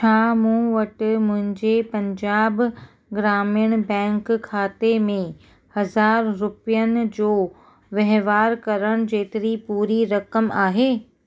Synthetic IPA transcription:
t͡ɕʰaːmũːʋɐʈɪmʊ̃ɦɪ̃ɲd͡ʑepɐ̃ɲd͡ʑaːb | ɡɾaːmijəɽ̃bɛ̃ːŋkkʰːaːt̪emẽ | hɐzaːɾːʊpjənɪ̆d͡ʑoː | ʋɐɦʋaːɾkɐɾəɽ̃d͡ʑeːt̪ɪɾipuːɾiɾɐkəmaːɦeː

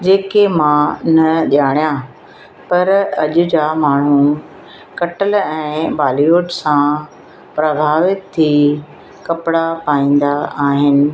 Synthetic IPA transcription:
d͡ʑeːkemãnɐʄaːɽ̃ijã | pɐɾɐʄʊ̆d͡ʑamaːɳ̤̃ũ | kɐʈəlɛ̃ːbaːlioːʈsã | pɾɐbʱaːʋɪt̪ʰːi | kɐpɪɽapaːĩːn̆d̪aaːɦɪnɪ̆

